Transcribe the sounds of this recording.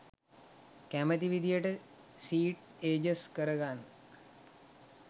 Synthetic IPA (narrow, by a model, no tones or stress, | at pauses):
kæmət̪iʋid̪ijəʈə | siːʈ | eːd͡ʒəskəɾəɡan